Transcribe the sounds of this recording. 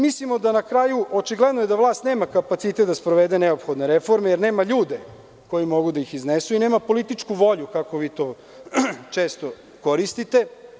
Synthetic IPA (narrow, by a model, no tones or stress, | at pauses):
mislimo̞d̪anakɾaːjuʔot͡ʃiɡled̪nojed̪aʋlˠaːst̪ne̞ːmakapat̪sit̪et̪d̪aspɾoʋed̪eneopxo̞d̪ne̞ɾefo̞ɾmejeɾne̞ːmaʎuːd̪e̞ | ko̞jimo̞ɡud̪aixiznesuine̞ːmapo̞lit̪it͡ʃkuʋo̞ʎukako̞ʋiːt̪oː | t͡ʃeːst̪o | ko̞ɾist̪it̪e